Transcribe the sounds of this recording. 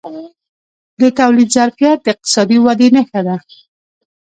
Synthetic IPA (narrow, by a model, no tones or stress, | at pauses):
d̪ət̪awlid̪zaɾfijat̪̚d̪əɪq̚t̪ɪ̥sɑd̪iwad̪enəxad̪a